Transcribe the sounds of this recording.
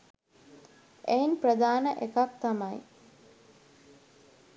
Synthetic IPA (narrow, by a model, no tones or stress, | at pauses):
ʔeinprəd̪aːnəʔekak̚t̪amaj